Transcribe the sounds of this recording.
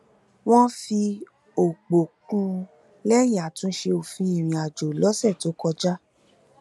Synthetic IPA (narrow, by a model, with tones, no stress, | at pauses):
w̃ɔ̃˦fi˧ | o˨ɡ͡bo˨kũ˧ | lɛ˦ja˨tũ˧˦ʃe˧o˨fĩ˧˦ĩ˦˨ɾ̃ĩ˨˧a˨d͡ʒo˨lɔ˨˦sɛ˦˨to˨˦kɔ˧d͡ʒa˦